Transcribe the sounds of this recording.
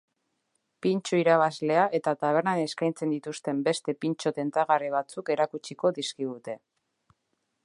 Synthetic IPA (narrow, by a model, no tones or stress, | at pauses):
pint͡ʃuiɾaβ̞azle̞aʔe̞t̪at̪aβ̞e̞ɾnane̞skajnt͡se̞nd̪it̪ust̪e̞mbe̞st̪e̞pint͡ʃo̞t̪e̞nt̪aɣariβ̞at͡suke̞ɾakut͡ʃiko̞ðiskiɣut̪e̞